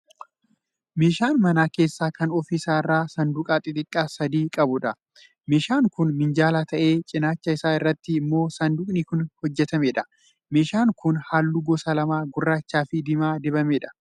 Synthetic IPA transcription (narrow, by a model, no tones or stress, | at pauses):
me̞ːʃaːnmɐnaːke̞ːsːaːkɐnɔfisaːɪrːaːsɐnd̪ʊkʼaːt̪ʼɪt̪ʼɪkʼːaːsɐd̪iːkʼɐbʊᶑɐ | meːʃaːŋkʊnmɪnd͡ʒaːlaːt̪ʰɐʔe̞ːt͡ʃʼɪnaːt͡ʃːɐɪsaːɪrːɐt̪ːɪːmːo̞ːsɐnd̪ʊkʼnikʊnhɔd͡ʒːɛt̪ɐmeːᶑɐ̥ | me̞ːʃaːŋkʊnhaːlːuːɡɔsɐlɐmaːɡʊrːaːt͡ʃːaːfɪd̪ɪmaːd̪ɪbɐmeːᶑɐ̥